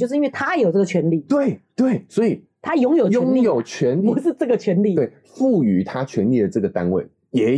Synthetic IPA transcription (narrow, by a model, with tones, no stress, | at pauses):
ʂɻ̩˥˧˦nwɪt̪ʰa˥˧˦jo˨˩t͡sə˥˩ɡə˨t͡ɕʰɥɛ˧˦nli˥˩t̪we˥˩ɪt̪we˥˩ɪswɔ˧˥i˨˩ | t̪ʰa˦jʊ˧˦ŋjo˨ʊjt͡ɕʊ˧˦ŋni˥˨jo˨˩ʊt͡ɕʰɥɛ˧˦nu˧˦ʂɻ̩˥˧ʈ͡ʂɤ˥˩ɡə˨˩t͡ɕʰɥɛ˧˥nli˥˨we˥˩ɪ | fu˥˨y˨˥t̪ʰa˦t͡ɕʰɥɛ˧˦nli˥˩d̪ə˩ʈ͡ʂɤ˥˩ɡə˩t̪a˦˥nwe˥˩ɪ | jɛ˨˥